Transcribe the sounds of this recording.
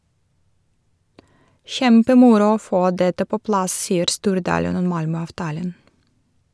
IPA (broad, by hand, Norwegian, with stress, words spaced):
ˈçɛmpəˌmʊɾʊ ˈoː ˈfoː ˈdɛtə ˈpoː ˈplɑs ˈsiːəɾ ˈstuːɾˌdɑːlən ˈɔm ˈmɑlmœɑʋˌtɑːlən